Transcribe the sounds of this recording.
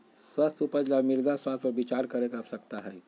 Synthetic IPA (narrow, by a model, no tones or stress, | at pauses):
swast̪ʰupəɾd͡ʒamɪɾd̪aswaːst̪ʰpəɾbit͡ʃaːɾkɐɾekasɐkt̪aɦɛː